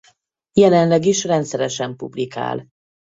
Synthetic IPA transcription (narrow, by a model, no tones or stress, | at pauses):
jɛlɛnlɛɡiʃrɛnt̪sɛɾɛʃɛmpublika̰ːl